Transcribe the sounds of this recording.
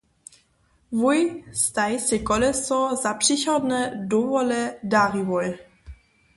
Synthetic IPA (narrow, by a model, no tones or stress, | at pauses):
vujst̪ajsɛkɔlɛsɔzaprixɔd̪nɛdɔvɔlɛdaɾivɔj